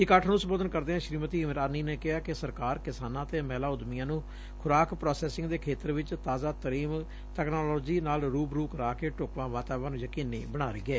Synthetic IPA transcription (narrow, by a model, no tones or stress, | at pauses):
ɪkaːʈʰnũːsəmboːd̪ənkəɾd̪eːɦãːʃɾiːmət̪iːmɾaːniːneːkɪɦaːkɪsəɾkaːɾkɪsaːnãːt̪eːmɛːlaːʊd̪mɪjãːnũː | kʰʊɾaːkpɾɔːsɛːsɪ̃ŋɡd̪eːkʰeːt̪əɾʋɪt͡ʃt̪aːzaːt̪əɾiːm | t̪ɛːknoːlɔːd͡ʒiːnaːlɾuːbɾuːkɾaːkeːʈʊkʋãːʋaːt̪aːʋaːnũːjəkiːneːbəɽ̃aːɾeːɡɛː